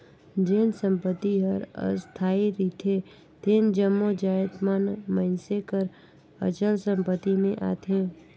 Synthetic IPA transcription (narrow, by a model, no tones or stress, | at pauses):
d͡ʒeːnsə̃mpət̪ːiɦəɾə̰st̪ʰaːiɾiːt̪ʰe | t̪eːnd͡ʒəmːod͡ʒaːjət̪maːnmə̃ɪnsekəɾ | ə̰t͡ʃəlsə̃mpət̪ːimẽʔa̰ːt̪ʰẽː